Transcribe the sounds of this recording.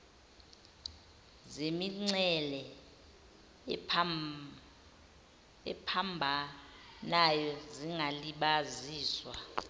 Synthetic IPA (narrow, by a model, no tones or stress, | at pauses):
zemiŋ͡ǀɛlɛ | ɛpʰambʱanajɔziŋɡʱaliɓaziːswa